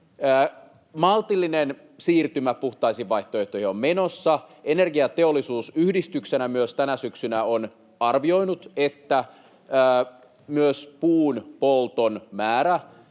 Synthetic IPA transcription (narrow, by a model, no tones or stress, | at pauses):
əː | mɑlt̪ilːinen | siːrt̪ymæpuht̪ɑisiʋɑiht̪oeht̪ohiomme̞nosːɑenerɡiɑt̪eolːˑisuːsyhdist̪yksenæmyøst̪ænæsyksynæon | ɑrʋio̞jnut̪et̪ːæː | myøspuːnpolt̪onmæːɾæ